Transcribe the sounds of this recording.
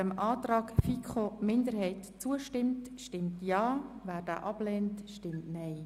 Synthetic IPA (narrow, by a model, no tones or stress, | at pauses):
əmʔɑːtrɑːkfikχomɪndəɾhɛɪtt͡suəʃtɪmtʃtɪmtjɑːvæːɾd̥æ̰ːʔɑb̥lɛːntʃtɪmtnɛɪ